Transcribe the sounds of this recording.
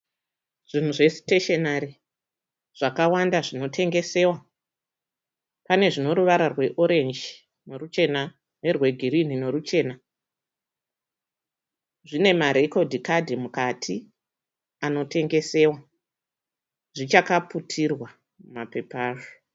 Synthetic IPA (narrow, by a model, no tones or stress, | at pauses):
ʐ̥in̤uʐe̞si̥teʃenaɾi | ʐ̥akawandaʐino̞tʰe̞ŋɡe̞se̞wa | pane̞ʐino̞ɾuʋaɾarwe̞ʔo̞ɾe̞nd͡ʒ | norut͡ʃe̞na | nerwe̞ɡʱirin̤ine̞ɾut͡ʃe̞ːna | ʐine̞maɾe̞ko̞dʱikadʱimukatʰi | ano̞tʰe̞ŋɡe̞se̞ːwa | ʐit͡ʃakaputʰirwa | mape̞paːʐo